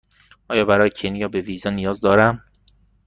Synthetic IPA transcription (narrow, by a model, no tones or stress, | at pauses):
ʔɒːjɒːbæɾɒːjecʰenijɒːbeviːzɒːnijɒːzd̪ɒːɾæm